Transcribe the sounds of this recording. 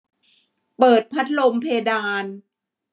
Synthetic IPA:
pɤː˨˩t̪̚pʰa˦˥t̪̚lo˧mpʰeː˧daː˧n

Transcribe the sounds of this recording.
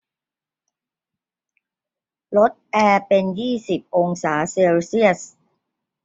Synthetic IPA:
lo˦˥t̪̚ʔɛː˧pe˧njiː˥˩si˨˩p̚ʔo˧ŋsaː˩˦si˧wsi˥˩əs

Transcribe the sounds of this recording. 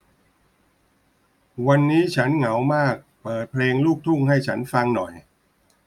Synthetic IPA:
wa˧nːiː˦˥t͡ɕʰa˦˥nŋa˩˦wmaː˥˩k̚pɤː˨˩t̪̚pʰleː˧ŋluː˥˩k̚t̪ʰu˥˩ŋha˥˩jt͡ɕʰa˦˥nfa˧ŋnɔ˨˩j

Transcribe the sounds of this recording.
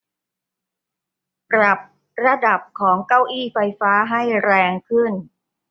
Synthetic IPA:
pɾa˨˩p̚ | ɾa˧da˨˩p̚kʰɔː˩˦ŋka˥˩wʔiː˥˩fa˧jfaː˦˥ɦa˥˩jɾɛː˧ŋkʰɯ˥˩n

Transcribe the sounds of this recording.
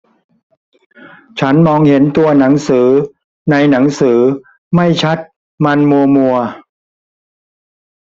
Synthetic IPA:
t͡ɕʰa˦˥nmɔː˧ŋhe˩˦nt̪u˧ɐna˩˦ŋsɯː˩˦ | na˧jna˩˦ŋsɯː˩˦ | ma˥˩jt͡ɕʰa˦˥t̪̚ | ma˧nmu˧ɐmu˧ɐ

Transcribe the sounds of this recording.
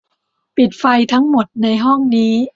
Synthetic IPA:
pi˨˩t̪̚fa˧jt̪ʰa˦˥ŋmo˨˩t̪̚na˧jɦɔ˥˩ŋniː˦˥

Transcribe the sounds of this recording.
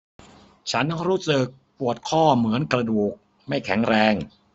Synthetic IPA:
t͡ɕʰa˦˥nːɔ˥˩ɾuː˦˥sɯ˨˩k̚pu˨˩ət̪̚kʰɔː˥˩mɯ˩˦ənkɾa˧duː˨˩k̚ | ma˥˩jkʰɛ˩˦ŋɾɛː˧ŋ

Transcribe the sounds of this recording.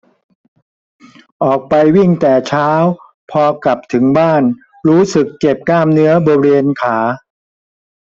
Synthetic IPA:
ʔɔː˨˩k̚pa˧jwi˥˩ŋt̪ɛː˨˩t͡ɕʰaː˦˥w | pʰɔː˧kla˨˩p̚t̪ʰɯ˩˦ŋbaː˥˩n | ɾuː˦˥sɯ˨˩kːe˨˩p̚kaː˥˩mnɯ˦˥ɐboː˧ɾeː˧nkʰaː˩˦

